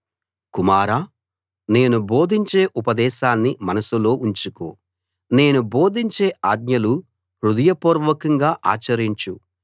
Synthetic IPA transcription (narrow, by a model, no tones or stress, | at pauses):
kumaːɾaː | ne̞ːnubo̞ːd̪ʱiɲt͡ʃe̞ːʔupɐd̪ɛːʃaːnːimɐnɐsulo̞ːʔuɲt͡ʃuko̰ː | ne̞ːnubo̞ːd̪ʱiɲt͡ʃe̞ːaːd̪njɐlu | ɾud̪ɐjɐpuːɾʋɐkɐŋɡaːʔa̰ːt͡ʃɐɾiɲt͡ʃu